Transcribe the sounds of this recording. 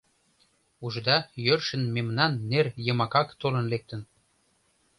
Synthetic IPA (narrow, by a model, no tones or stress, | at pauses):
uʒd̪ɑjørʃə̆nmemnɑnːerjəmɑkɑkt̪olə̆nlek̚t̪ə̆n